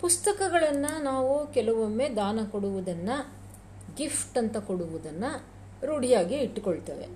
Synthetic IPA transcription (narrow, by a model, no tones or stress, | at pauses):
pust̪ɐkɐɡɐɭɐnːɐnaːʋukɛlɐʋomːed̪aːnɐkoɽuʋud̪ɐnːɐ | ɡifʰʈɐnt̪ɐkoɽuʋud̪ɐnːɐ | ɾuɽijaːɡiːʈːkoɭt̪ḛːʋḛ